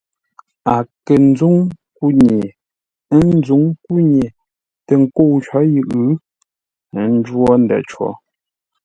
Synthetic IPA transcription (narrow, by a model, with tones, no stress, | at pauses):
a˨ke˨n̩˦d͡zu˦ŋ | ku˦ɲe˨˦ | n̩˦zu˨˦ŋku˦ɲe˨ | te˨ŋ̩˨ko˦˨wt͡ʃɔ˨˦ji˨ʔʉ˦ | n̩˦d͡ʒwɔ˦n̩˨dɛ̰˨t͡ʃwɔ̰˨˦